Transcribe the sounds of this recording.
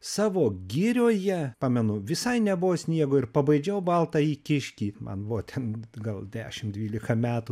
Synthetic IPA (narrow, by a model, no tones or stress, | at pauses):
sɑːʋoːɡʲɪɾʲoːjɛpɑmʲɛnʊʋʲɪsɐɪnʲɛbʊʋoːsʲnʲiɛɡoːɪɾpɐbɐɪd͡ʒʲɛʊbɐlˠt̪ɑiːkʲɪʃʲkʲiːmɐ̰nbʊʋoːt̪ʲʰɛnɡɐlˠd̪ʲæ̰ːʃʲɪmd̪ʲʋʲiːlʲɪkɐmʲæːt̪u